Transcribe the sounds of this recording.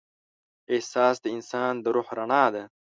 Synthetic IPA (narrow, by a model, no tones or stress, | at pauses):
ehsɑːsd̪əɪnsɑːnd̪əɾohɾaɳɑːd̪a